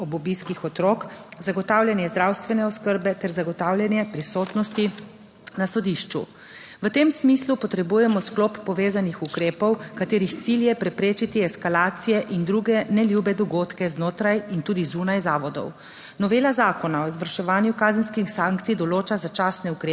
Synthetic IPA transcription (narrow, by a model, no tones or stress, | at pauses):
ɔbɔbiskixɔt̪ɾokzaɡɔt̪aːwlʲjɛnjɛzd̪ɾawst̪ʋɛnɛɔskəɾbɛt̪ɛɾzaɡɔt̪aːwlʲjɛnjɛpɾisoːt̪nɔst̪i | nasɔd̪iʃt͡ʃṵ | ʋət̪emsmiːslupɔt̪ɾɛbuːjɛmɔskloːpːɔʋeːzanixukɾeːpɔwkat̪eːɾixt̪siljɛpɾɛpɾeːt͡ʃit̪iɛskalaːt̪sijɛʔind̪ɾuːɡɛnɛljubɛd̪ɔɡoːt̪kɛznoːt̪ɾajint̪uːd̪izuːnajzaːʋɔd̪ɔ̰w | nɔʋeːlazaːkɔnaɔzʋəɾʃɛʋaːnjukaːzənskixsaːŋk̚t̪sijd̪ɔloːt͡ʃazat͡ʃaːsnɛukɾeː